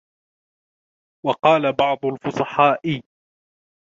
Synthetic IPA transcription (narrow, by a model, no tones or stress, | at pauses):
wɑqɑːlabɑʕd̪ˤʊlfʊsˤɑħɑːʔɪ